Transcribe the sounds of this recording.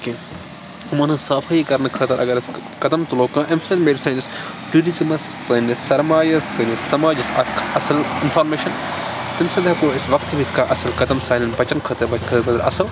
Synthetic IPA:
ki | umɐnɨsaːfʰɐikɐɾnɐkʰɐːt̪ɐɾʔɐɡɐɾskɐd̪ɐmt̪uloːkɐ̃ːʔɪmsɐnmeːɾsɐːnis | ʈuɾizimɐssɐːnɐssɐɾmaːjɐsɐːnisɐmaːd͡ʒisɐkʰɐsɐlɪnfʰaːɾmeːʃɐn | t̪ɪmsɐd̪akoːɪsʋɐk̚t̪bisʲkaːʔɐsɐlkɐd̪ɐmsaːnɐnbɐt͡ʃɐnkʰɐːt̪ɐbɐkʰɐt̪ɐt̪ɐɾɐ̰sɐl

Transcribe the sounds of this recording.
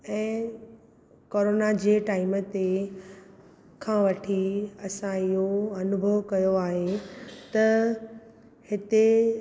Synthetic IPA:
ɛ̃ː | koːɾoːnad͡ʑeːʈaːɪmət̪e | kʰãːʋɐʈʰiɐsãɪɦoɐnʊbʱəʋkɐjoaːɦet̪ɐ | hɪt̪e

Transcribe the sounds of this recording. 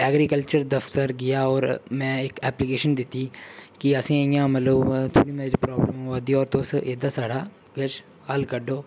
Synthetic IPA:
ɛːɡɾikəlt͡ʃəɾd̪əft̪əɾɡɪjaːɔːɾmɛ̃ːɪkɛːplɪkeːʃənd̪ɪt̪ːiːkiəsĩːjãːmət̪ləbt̪ʰoːɽĩmeɾiːpɾɔːbləmad̪iːɔːɾt̪oːsʔeːd̪aːsaːɽaː | ɡət͡ʃ | haːlkəɖoː

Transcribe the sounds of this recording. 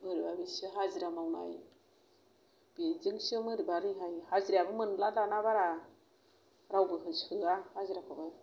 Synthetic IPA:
mɯɾibabisɯɦaziɾamawna̰j | b̥izɯŋsɯmɯɾibaɾɯɦajhaziɾiabɯmɯnlalanaβaɾa | ɾawbɯɦɯshɯahaziɾakʰɯbaj

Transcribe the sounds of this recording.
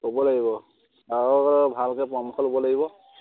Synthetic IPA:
kobɔlaɡibɔ | aɹɔbʱalkɛpɹɔmkʰɔlobɔlaɡibɔ

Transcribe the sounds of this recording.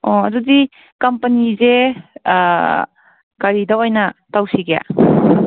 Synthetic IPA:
ɔɐdudi | kɐmpənize | ɡaɾidawojnatawsiɡeja̰

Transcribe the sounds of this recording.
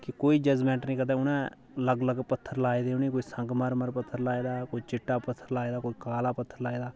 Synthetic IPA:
kɪkoːiːd͡ʒəd͡ʒmɛ̃ːɳʈnĩːkəd̪ɛ̃ːʊnɛ̃ː | ləɡləɡpət̪ʰːəɾlaːeːd̪eːʊnĩːkoːiːsəŋɡməɾməɾpət̪ʰːəɾlaːeːd̪aːkoːiːt͡ʃɪʈːaːpət̪ʰːəɾlaːeːd̪aːkoːiːkaːlaːpət̪ʰːəɾlaːeːd̪aː

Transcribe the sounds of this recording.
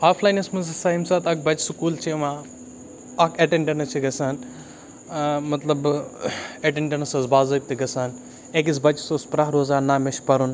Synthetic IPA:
aːfʰlaːjnɐsmɐzɐsaimsaːt̪ɐk̚bɐt͡ʃsukuːlt͡ʃʰeʋa | ɐkʰeʈeɳɖɐnɐt͡ʃʰiɡɐsaːn | mɐt̪lɐb | eʈeɳʈɐnɐsɐsbaːzɐːb̚t̪iɡɐsaːn | ek̬is̬bɐt͡ʃsospɾɐɦɾoːzaːnaːmeʃpɐɾun

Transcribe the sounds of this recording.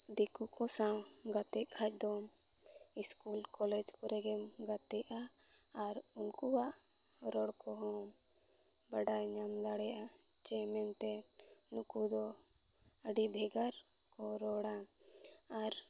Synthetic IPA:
d̪ikukɔsaw | ɡat̪ɛʔ̚kʰat͡ʃ̚d̪ɔm | iskulkɔlɛd͡ʒkɔɾɛɡɛmɡat̪ɛʔaː | ɾunkuwaʔɾɔɽkɔɦɔm | baɖajɲamd̪aɽɛʔat͡ʃɛmɛnt̪ɛnukud̪ɔ | əɖib̪ʱɛɡaɾ | kɔɾɔɽan | aɾ

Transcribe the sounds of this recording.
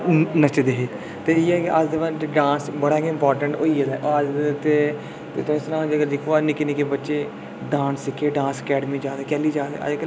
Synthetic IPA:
nət͡ʃed̪eːɦeː | t̪eːiːɛːkeʔad͡ʒd̪ɪʋãnd͡ʒeɖãːnsbəɽaːkeɪmpɔːɾʈəɳʈoːiɛd̪aːʔoəd͡ʒt̪eː | t̪ḛːt̪õɪsnãːd͡ʒəɡəɾd͡ʒɪkʰoaːnɪkenɪkeːbətːʃeː | ɖãːnsɪkʰeːɖãːnsəkɛːɖmiːd͡ʒaːd̪aːkɛːliːd͡ʒaːd̪a̰ə̰d͡ʒkə

